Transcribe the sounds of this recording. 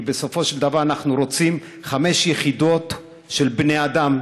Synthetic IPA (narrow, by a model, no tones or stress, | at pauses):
beso̞fo̞ʃeld̪avaʁanaχnuɾo̞t͡sim | χame̞ʃjeχid̪o̞t̪ | ʃelbne̞jad̪am